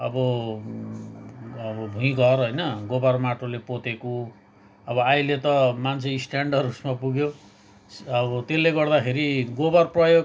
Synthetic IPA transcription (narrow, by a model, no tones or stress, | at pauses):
ʌbʌ | ʌbʌbʱuĩɡʌrɦojnʌɡobarmaʈʰolepot̪eko | ʌbʌajlet̪ʌmant͡sʰeisʈaɳɖʌrusmapuɡjo | ʌbʌt̪elːeɡʌrd̪akʰeɾiɡobarprʌjoɡ